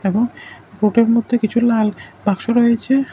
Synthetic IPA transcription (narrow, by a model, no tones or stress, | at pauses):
eboŋ | ɾoʈeɾmod̪ʱːekit͡ɕʰulalbakʃoɾoet͡ɕʰe